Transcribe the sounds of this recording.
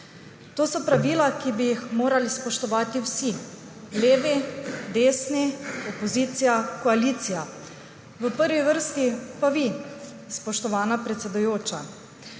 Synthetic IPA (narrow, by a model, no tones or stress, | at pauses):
t̪oːsɔpɾaʋiːlakibijixmoːɾalispɔʃt̪ɔʋaːt̪iwsi | leːʋid̪eːsniɔpɔziːt̪sijakɔaliːt̪sija | ʋəpəɾʋiʋəɾst̪ipaʋi | spɔʃt̪ɔʋaːnapɾɛt̪sɛd̪ujoːt͡ʃa̰